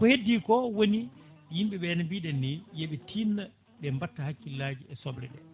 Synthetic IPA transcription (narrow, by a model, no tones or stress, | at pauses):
kɔhedːikɔwonijimɓɛɓɛnabiɗɛnːijeɓɛtʰinːa | ɓɛmbatːahakːilːaːd͡ʒiʔɛsɔbɾɛ̰ɗɛ̰